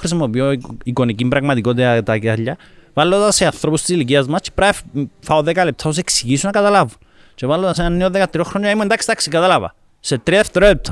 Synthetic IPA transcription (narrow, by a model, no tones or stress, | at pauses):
xɾis̬imopjoikonikimbɾaɣmat̪ikot̪̬eat̪akaʎavalːoðaseaθɾopust̪islik̬iazmast͡ʃi̥pɾaffaoðekalep̚t̪ʰaos̬eksiɣisunakat̪alavun | t͡ʃeβalːot̪as̬eanːeoðekat̪ɾioxɾsond͡ʒaimuend̪aksi̥t̪aksikat̪alava̰ | set̪ɾiðeft̪eɾoep̚t̪ʰa